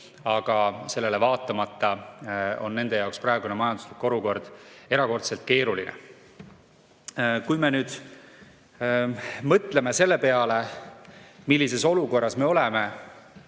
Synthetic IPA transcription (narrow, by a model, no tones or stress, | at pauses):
ɑɡ̥ɑse̞lːe̞levɑːt̪ːˑɑmɑt̪ːɑ | o̞̰nːe̞nd̪̥e̞jɑoksprɑeɡ̥unemɑjɑnd̪u̥slikːo̞luko̞rd̪̥e̞ɾɑko̞rt̪selt̪̚ke̞ːɾulinḛ | kujme̞nyːd̪̥ | mɤt̪le̞me̞se̞lːe̞pe̞ɑle | milːise̞so̞luko̞rːɑsme̞o̞le̞me̞